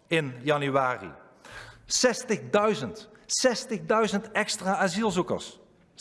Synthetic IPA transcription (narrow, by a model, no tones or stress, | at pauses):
ɪnjɑnyʋaːrḭ | sɛstəχdœɥzəntsɛstəχdœɥzəntɛkstraːazilˠzukə̰ɹs